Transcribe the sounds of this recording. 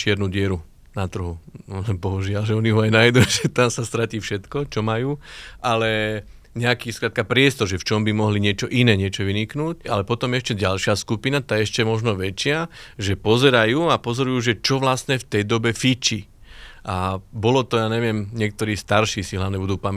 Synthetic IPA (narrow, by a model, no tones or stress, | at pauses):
ʃt͡ʃɪɛɾnuːɟɪɛɾu | nat̪r̩ɦulɛbɔɦuʒɪalʒɛɔniɦɔajnajd̪uʒɛt̪amsast̪ɾaciːfʃɛt̪kɔt͡ʃɔmajuːʔalɛ | ɲɛakiːskɾaːt̪̚kapɾɪɛst̪ɔɾʒɛft͡ʃɔmbimɔɦliɲɪɛt͡ʃɔʔinɛːɲɪɛt͡ʃɔʋiniknuːcalɛpɔt̪ɔmɛʃcɛɟalʃɪaskupinat̪aːjɛɛʃcɛmɔʒnɔʋɛt͡ʃɪaʒɛpɔzɛɾajuːapɔzɔɾujuːʒɛt͡ʃɔʋlasɲɛft̪ɛjd̪ɔbɛfit͡ʃi | ʔabɔlɔt̪ɔjaːɲɛʋɪɛmɲɪɛk̚t̪ɔɾiːst̪aɾʃiːsiɦlaʋɲɛbud̪uːpamɛ